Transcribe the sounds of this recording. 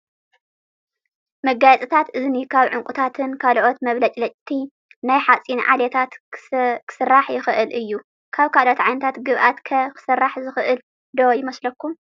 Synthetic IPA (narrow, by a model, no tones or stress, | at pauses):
mɐɡajt͡sʼɨt̪ʰat̪ɨzɨnikʰaβʕʊŋkʼut̪ʰat̪ʰɨnkʰalʔo̞t̪mɐβlɐt͡ʃʼlɐt͡ʃʼt̪ʰi | najħat͡sʼinʕa̰let̪ʰat̪kʰɨ̥sɨrːaħjɪxʔɨlʔɨjːu | kʰaβkʰalʔo̞t̪ʕajnɐt̪ʰat̪ɡɨβʔat̪kʰɐkʰɨ̥sɐrːaħzɨxɨʔɨl | d̪ojɪmɐslɐkːum